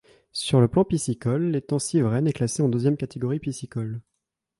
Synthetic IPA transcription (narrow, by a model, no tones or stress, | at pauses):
syʁləplɑ̃pisikɔlːet̪ɑ̃sivʁɛnɛklaseɑ̃d̪øzjɛmkat̪eɡɔʁipisikɔl